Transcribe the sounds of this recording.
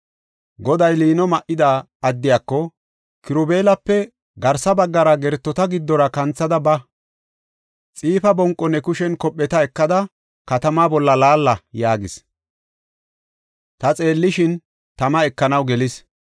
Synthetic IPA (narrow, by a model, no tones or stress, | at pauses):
ɡɔd̪ɐjliːnɔmɐʔɪd̪aː | ɐd̪ːɪjaːkːɔ | kɪɾʊbe̞ːlɐpːɛ | ɡɐɾsɐbɐɡːɐɾɐɡɛɾt̪ːɔt̪ɐɡɪd̪ːɔɾɐkɐnt͡sːɐd̪ɐbɐ | t͡sʼiːfɐbɔŋkʼːɔnːɛkʊʃɛnkɔpʼːɛt̪ɐɛkːɐd̪ɐ | kɐt̪ɐmaːbɔlːɐlaːlːɐjaːɡɪs | t̪ɐt͡sʼe̞ːlːɪʃɪn | t̪ɐmɐɛkːɐnɐwɡɛlɪs